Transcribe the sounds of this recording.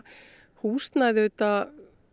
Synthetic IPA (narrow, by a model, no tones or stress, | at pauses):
huːst̪naðɪʏt̪a